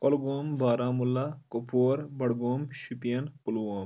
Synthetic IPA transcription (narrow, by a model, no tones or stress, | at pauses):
kolɡoːmbaːɾaːmulːakopʰoːɾbɐɽɡoːmʃipijɐnpulwoːm